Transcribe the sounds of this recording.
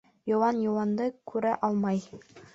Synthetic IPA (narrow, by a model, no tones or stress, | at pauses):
jŏwɑnjɤ̆wɑnd̪ɤkʉɾæʔɑlˠmɑj